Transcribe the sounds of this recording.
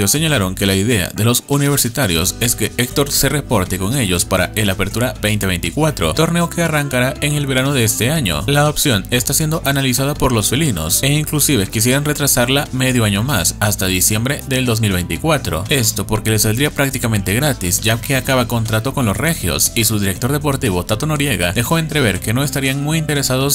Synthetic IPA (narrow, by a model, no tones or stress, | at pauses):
osːe̞ɲalaɾo̞ŋke̞laiðe̞a̰ðe̞lo̞suniβ̞e̞ɾsit̪aɾjo̞̰se̞ske̞ekt̪o̞ɾse̞repo̞ɾt̪eko̞ŋe̞ʝo̞spaɾa̰elape̞ɾt̪uɾabe̞jnt̪eβe̞jnt̪ikwat̪ɾo̞̰t̪o̞ɾne̞o̞ke̞araŋkaɾaʔe̞ŋe̞lβe̞ɾano̞ðe̞est̪e̞aɲo̞̰laopsjo̞ne̞st̪asjend̪o̞ʔanalisaðapo̞ɾlo̞sfelino̞̰seiŋklusiβe̞kis̬je̞ɾanre̞t̪ɾasaɾlame̞ðjo̞aɲo̞masast̪aðisje̞mbɾe̞ðe̞ld̪o̞z̬milβe̞jnt̪ikwat̪ɾo̞̰e̞st̪o̞po̞ɾke̞lesald̪ɾiapɾak̚t̪ikamẽ̞nt̪e̞ɣɾat̪isʝake̞akaβako̞nt̪ɾat̪o̞ko̞nlo̞sre̞xjo̞̰sisuðiɾe̞k̚t̪o̞ɾð̞e̞po̞ɾt̪iβ̞o̞t̪at̪o̞no̞ɾje̞ɣaðe̞xo̞e̞nt̪ɾe̞β̞e̞ɾke̞no̞e̞st̪aɾiaŋmujint̪e̞ɾe̞sað̞o̞s